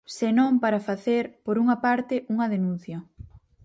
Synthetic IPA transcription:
senõŋpaɾɐfaθeɾpoɾuŋɐpaɾt̪ɪʔuŋɐðenũn̟θjɐ

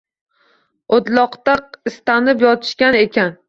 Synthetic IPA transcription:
od̪lˠɒqt̪aqɪst̪anɪpjɒt̪ʰɪ̥ʃkʲane̞kʲʰan

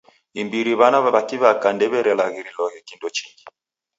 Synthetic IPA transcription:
imbiɾiβanaβaβakiβakandɛβɛɾɛlaɣiɾilɔɣɛkindɔt͡ʃiŋɡi

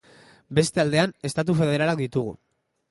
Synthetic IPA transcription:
be̞st̪e̞ald̪e̞ane̞st̪at̪̬ufe̞ð̞e̞ɾalakd̪it̪uɣ̞ṵ

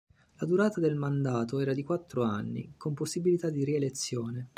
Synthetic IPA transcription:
lad̪uɾaːt̪ad̪elmand̪aːt̪oɛːɾad̪ikwat̪ːɾoa̰nːḭkomposːibilit̪ad̪ːiɾielet̪sːjoːne

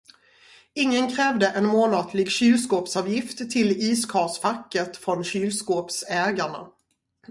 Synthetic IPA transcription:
ɪŋːənkʰɾɛːvd̪əʔɛnmoːnɑːt̪ʰlɪɡɕyːlskoːpsɑːvjɪft̪ʰːɪliːskʰɑːsfakːət̪fɾɔnɕyːlskoːpsɛːɡaɳa̰

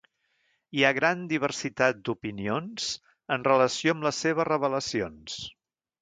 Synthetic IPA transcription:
iaɣɾand̪iβ̞ərsit̪at̪̚d̪upinionz̥ | ənrələsioəmləseβ̞ərəβ̞ələsions

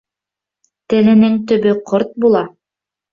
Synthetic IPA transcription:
t̪ɘ̆lɘ̆nɘŋt̪ɵ̆βɵqʰoɾt̪̚bulˠɑ

